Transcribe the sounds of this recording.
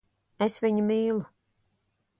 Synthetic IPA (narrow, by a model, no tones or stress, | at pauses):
esviɲimiːlˠu